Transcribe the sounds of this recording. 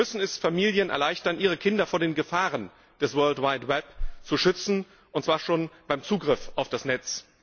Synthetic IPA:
mʏsn̩ɛsfamiːljənʔɛ̰ɐlaɪçtɐnʔiːʁ̞əkʰɪndɐfoːɐdeːnɡəfaːʁən | d̥ɛsvɜɐltwaɪtwɛpt͡suʃʏt͡sn̩ | ʔʊntt͡ssv̥aːɐʃoːnb̥aɪmt͡suːɡʁɪfaʊfd̥asnɛt͡s

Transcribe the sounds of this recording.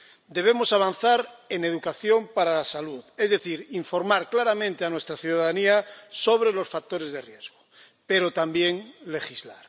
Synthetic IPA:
d̪e̞β̞e̞mo̞saβ̞an̟θaɾene̞ð̞ukaθjo̞mpaɾalasaluðezðeθiɾiɱfo̞ɾmaɾklaɾamẽnt̪eanwest̪ɾaθjuðaaðaniasoβ̞ɾe̞lo̞sfak̚t̪o̞ɾe̞zðerjezɣo | pe̞ɾot̪ambjeŋle̞xizlaɾ

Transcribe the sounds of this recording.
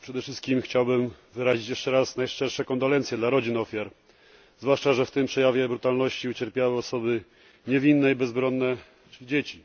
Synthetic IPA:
pʂɛd̪ɛfʂɘst̪kʲimxt͡ɕawbɘm | vɘɾaʑit͡ɕjɛʂt͡ʂɛɾasnajʂt͡ʂɛɾʂɛkɔnd̪ɔlɛnt̪ʲjɛd̪laɾɔd͡ʑinɔfʲjaɾ | zvwaʂt͡ʂaʐɛft̪ɘmpʂɛjavʲjɛbɾut̪alnɔɕt͡ɕiut͡ɕɛɾpʲjawɘɔsɔbɘ | ɲɛvʲinːɛibɛzbɾɔnːɛ | t͡ʂɘid͡ʑet͡ɕi

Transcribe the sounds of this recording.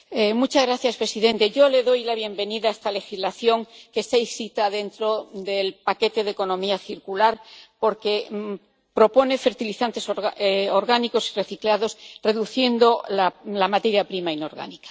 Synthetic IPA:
emut͡ʃazɣɾaθjaspɾe̞siðẽ̞nt̪e̞ʝo̞le̞ðo̞jlaβje̞mbe̞niðaest̪ale̞xizlaθjo̞ŋkest̪aisit̪aðe̞nt̪ɾod̪e̞lpake̞t̪e̞ðeko̞nõ̞miaθiɾkulaɾpo̞ɾke̞ | pɾo̞po̞ne̞fe̞ɾt̪iliθant̪e̞sooɾɣaniko̞sire̞θiklaðo̞sre̞ðuθje̞nd̪o̞lalamat̪e̞ɾjapɾimaino̞ɾɣa̰nikḁ

